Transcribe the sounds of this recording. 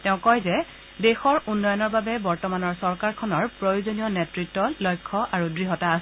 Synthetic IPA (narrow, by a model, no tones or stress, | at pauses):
tɛʊ̃kɔjzɛ | dexɔɹunːɔjɔnɔɹbabɛbɔɹtɔmanɔɹsɔɹkaɹkʰɔnɔɹpɹojuzonijɔnetɹitːɔlɔjkʰːɔʔaɹudɹiɦɔtaːs